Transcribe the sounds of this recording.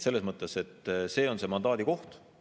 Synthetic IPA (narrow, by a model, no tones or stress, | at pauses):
selːesmɤt̪ːˑe̞se̞t̪ːse̞ːo̞nsemɑnd̪ɑːd̪iko̞ht̪